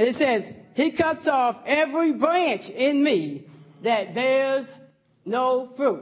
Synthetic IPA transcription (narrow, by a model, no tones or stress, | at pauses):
ɨ̃nɨtsɛz̥hikʰʌtsɔfɛvɹibɹæ̃nt͡ʃɪ̃nmiðɨt̪̚ðə˞z | noʊfɹut̚